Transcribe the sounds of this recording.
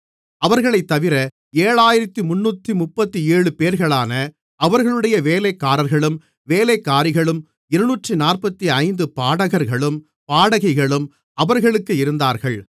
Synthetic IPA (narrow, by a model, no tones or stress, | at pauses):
ɐʋɐɾɣɐɭɐɪt̪ːɐʋɪɾɐ | eːɻaːjɪɾɐt̪ːimʊnːuːt̪ːimʊpːɐt̪ːieːɻɯpeːɾɣɐɭaːnɐ | ɐʋɐɾɣɐɭɯɽɐjɐʋeːlekːaːɾɐɾɣɐɭɯm | ʋeːlekːaːɾɪɣɐɭɯm | ɪɾɯnuːʈrinaːrpɐt̪ːiɐɪnd̪ɯpaːɽɐɣɐɾɣɐɭɯm | paːɽɐɣɐɪɣɐɭɯm | ɐʋɐɾɣɐɭɯkːɯɪɾɯnd̪aːɾɣɐɭ